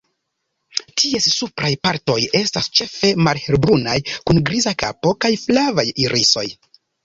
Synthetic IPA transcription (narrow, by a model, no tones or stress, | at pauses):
tʰie̞sːupɾajpaɾto̞je̞stast͡ʃe̞fe̞malhe̞ɾbɾunajkunɡɾizaka̰po̞kajflavajiɾʔiso̞̰j